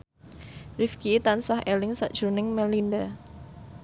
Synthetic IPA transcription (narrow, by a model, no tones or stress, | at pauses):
rifkit̪ansahʔelɪŋsa̰ʔd̥ʒ̥ɾunɪŋmɛlinda